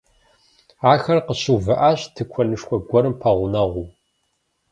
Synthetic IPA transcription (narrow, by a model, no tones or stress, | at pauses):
aːxɐrqəɕuːvɨʔaːɕtʰɨkʷʰɔnɨʂkʷʰɔɡʷɔɾɨmpʰɐʁʷʊnɐʁʷuː